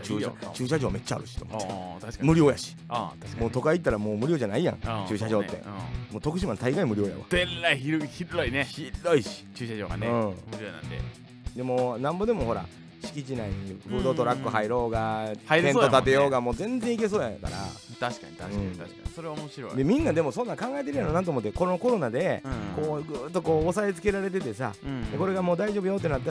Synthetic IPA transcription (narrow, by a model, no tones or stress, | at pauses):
t͡ɕɨ̰t͡ɕɨːɕ̬aʑo̞ːme̞t͡ɕːa̰ɾɯ̟ɕi̥t̪omt̪ḁkmɯ̟ɾʲjo̞ːjaɕi̥t̪aɕmoːt̪o̞kait̪ːaɾamoːmɯ̟ɾʲjo̞ːʑanaijã̰ŋt͡ɕɨːɕaʑo̞ːt̪ːe̞̰moːt̪o̞kɯ̟ɕ̬imant̪aiɡaimɯ̟ɾʲo̞ːja̰βa̰eɾːaiçiɾɯçiɾoineçiɾoiɕi̥t͡ɕɨːɕaʑo̰ɡa̰nɯ̃ːmɯɾʲonã̰nd̪ḛ | d̪e̞mo̞ːnãmbo̞d̪emo̞ho̞ɾa̰ | ɕi̥kʲit͡ɕinaibɯːd̪o̞ːt̪o̞ɾakːɯ̟ɦaiɾo̞ːɡahaiẽ̞nːot̪at̪e̞jo̞ːɡamo̞ːzẽ̞nzẽike̞s̬o̞ːja̰ka̰ɾa̰t̪aɕi̥kaaɯ̟̃ḁasoɾeβaomoɕiɾoid̪e̞mʲĩnːad̪e̞mo̞sõnːãŋkãŋɡaet̪e̞ɾɯ̟jaɾonãt̪oːmot̪ːeko̞oko̞ɾo̞nad̪e̞ko̞ːɡɯːt̪ːo̞ko̞ːsae̞t͡sɨ̥ke̞ɾaɾe̞t̪̬e̞t̪e̞sa̰d̪eko̞ɾe̞ɡamo̞ːd̪aiʑo̞ːbɯjo̞t̪̬ːe̞nat̪̬ːa